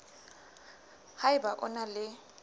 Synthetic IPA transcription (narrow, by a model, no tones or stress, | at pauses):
haɪbaʔʊ̰nalɪ